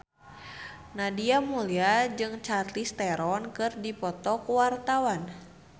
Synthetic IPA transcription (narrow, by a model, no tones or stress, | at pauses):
nadiamuliad͡ʒɨŋt͡ʃat̪list̪ɛɾɔnkɨrdipɔt̪ɔkuwart̪awan